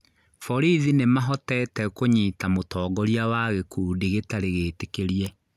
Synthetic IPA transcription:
fɔɾiðinemaɦɔtɛtɛkoɲiːtamotɔːɡɔɾiawaɣekʰuːdiɣetaɾeɣeːtekeɾiɛ

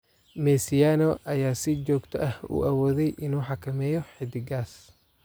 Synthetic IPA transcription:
mɛːsɪjaːnɔʔɐjaːsɪt͡ʃɔːɡt̪ʰɔ̰ʔɐhṵːʔɐwɔːðɛjʔɪnuːħɑkʰɐmɛːjɔħɪd̪ɪɡaːs

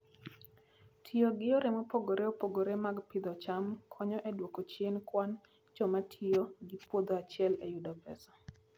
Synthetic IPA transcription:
tʰijoɡɪoɾɪmopoɡoɾʔeopoɡoɾemaɡpɪd̪ɔt͡ʃamkʰɔɲɔʔɛdwokot͡ʃenkwan | d͡ʒɔmatʰijoɡɪpwod̪oat͡ʃɪɛlejudɔpɛ̰sɔ̥

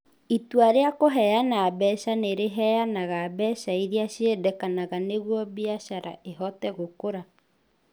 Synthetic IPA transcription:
itwaɾeakoɦɛjanabɛʃaneɾeɦɛjanaɣaːbɛːʃaiɾiaɕedɛkanaɣaneɣwɔbiaʃaɾa̰ʔeɦɔtɛɣokoɾa

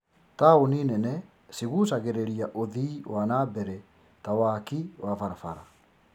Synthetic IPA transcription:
taoninɛnɛ | siɣusaɣeɾeɾiaʔoðiːwanabɛɾɛ | tawakiwafaɾafaɾa

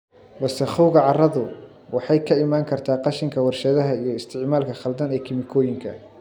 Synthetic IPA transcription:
wɐsɛχʊwɣɐʕɑrɐðʊ | wɑħɑjkʰɐɪmaːŋkʰɐrt̪ʰaːqɑʃɪŋkʰɐwɑrʃɐðɐɦɐijɞɪst̪ʰɪʕmaːlkʰɐχɐld̪ɐnɛːkʰɪmɪkʰɔːjɪŋkʰɐ̰

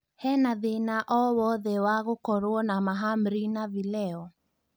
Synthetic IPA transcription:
hɛnaðenaʔɔwɔðɛwaɣokɔɾuɔnamaɦam̩ɾinavilɛɔ

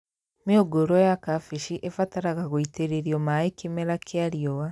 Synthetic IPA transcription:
meoɡoɾɔjakafiʃiʔefataɾaɣaɣoiteɾeɾiɔmaikemɛɾakʰeaɾiɔwa

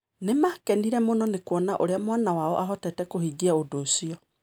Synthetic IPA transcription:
nemakɛniɾɛmonɔnekwɔnaʔoɾeamwanawaɔ̰ʔaɦɔtɛtɛkohid͡ʒiaodoːsiɔ

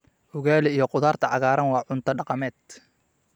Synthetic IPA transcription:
hʊɣaːlɛijɞqʊðaːrt̪ʰɐʕɑɣaːɾɐnwɑːʕʊnt̪ʰɐɖɑqɑmɛːd̪

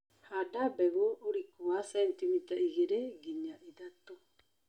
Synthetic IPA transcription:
hadabeβuuɾikuasent̪imit̪aʔiɡeɾeɡiɲaʔid̪at̪o

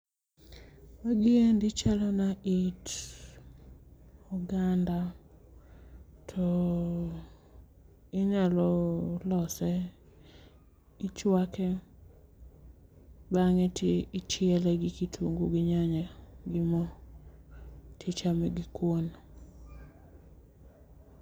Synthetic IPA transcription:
waɡɪendɪt͡ʃalɔnaʔit | ɔɡanda | tʰɔ | ɪɲalɔlɔsɛ | ɪt͡ʃwakɛ | baŋɛtʰeɪt͡ʃɪɛlɛɡɪkitʰoŋɡoɡɪɲaɲaɡɪmɔ | tʰit͡ʃamɛɡɪkwon

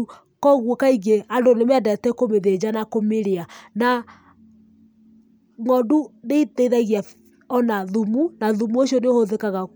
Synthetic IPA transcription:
kɔɣwokaiɡeandonemɛadɛtɛkomeðed͡ʑanakomeɾeana | ŋɔduneitɛiðaɣia | ɔnaðumunaðumuoʃiɔneohoðekaɣa

